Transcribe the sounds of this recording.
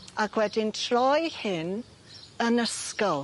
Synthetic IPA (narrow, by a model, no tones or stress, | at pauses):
akʰwɛdɪntʰrɔjhɪn | ənəskɔlˠ